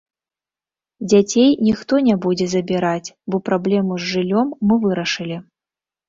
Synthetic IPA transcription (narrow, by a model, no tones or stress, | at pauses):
d͡zʲat͡sʲejnʲixt̪ɔnʲɛbud͡zʲɛzɐbʲiɾat͡sʲbɔpɾablʲɛmuzʐɨlʲɔmːɨvɨɾɐʂɨlʲi